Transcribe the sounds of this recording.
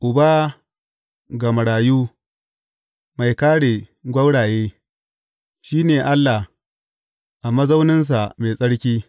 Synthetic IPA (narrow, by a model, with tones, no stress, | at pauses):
ʔʊ˨ba˦ | ɡɐ˨ma˨ɽaː˨juː˦ | ma˨jkaː˦ɽe˨ɡʷɐ˦wɽaː˨jeː˦ | ʃiː˦neː˨ʔa˦lːa˨h | ʔa˨mɐ˦zɐ˦wnɪ˦ns̬a˨meː˨sʼɐ˦ɽkʲiː˦